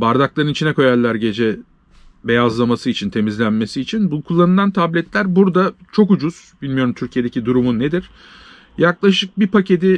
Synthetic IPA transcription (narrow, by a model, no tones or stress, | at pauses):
baɾd̪aklˠaɾɯnit͡ʃʰinɛko̞jælʲːæɾɟe̞d͡ʒɛ | be̞jazlˠamasɯit͡ʃʰint̪ʰe̞mizlʲænme̞siːt͡ʃʰinbukʰulˠːanɯlˠant̪ʰablʲɛt̪lʲæɾbuɾd̪at͡ʃʰo̞k̬ud͡ʒuz̥bilʲmijo̞ɾumt̪ʰyɾcʰije̞d̪e̞cid̪uɾumunːe̞d̪iɾ̥ | jaklˠaʃɯk̚bipace̞d̪i